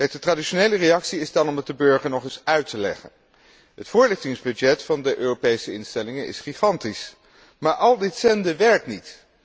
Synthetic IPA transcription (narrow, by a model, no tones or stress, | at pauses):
kɛjk̚d̥ətraːdiʃonejlərejɑksiɪzdɑnɔmdɑt̚dəbøɹχəɹnɔχɪsœɥtəlɛ̰χə̰n | ɦətfʊːɹlɪχtɪŋzbʏd͡ʒɛtfɑndəʔøːropejsəɪnstɛlɪŋənʔɪ̰sχiχɑntis | maːɹʔɑlˠdɪtsɛndəʋɛɹk̚tnit